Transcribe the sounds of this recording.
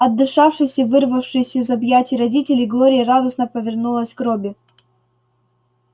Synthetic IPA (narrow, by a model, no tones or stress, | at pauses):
ɐd̪ːɨʂafʂɨjsʲəvɨrvəfʂɨjsʲɐɪzɐbjatʲɪɾɐdʲitʲɪlʲɪjɡlˠoɾʲɪjərad̪əsnəpəvʲɪrnulˠəsʲkɾobʲɪ